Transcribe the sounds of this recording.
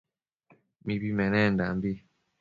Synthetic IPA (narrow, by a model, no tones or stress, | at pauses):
mibimɛnɛnda̰mbi